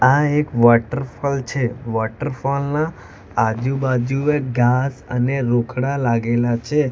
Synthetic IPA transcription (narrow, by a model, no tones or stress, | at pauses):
aekʋɔʈəɾfɔlt͡ʃʰeʋɔʈəɾfɔlnaː | d͡ʒubad͡ʒueɡasəneɾokʰɽalaɡelat͡ʃʰe